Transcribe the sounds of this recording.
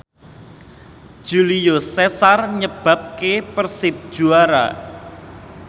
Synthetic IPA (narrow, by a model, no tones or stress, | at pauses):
d̥ʒ̥ulijosɛsarɲəb̥a̤p̚kepərsɪp̚d̥ʒ̥uaɾa̰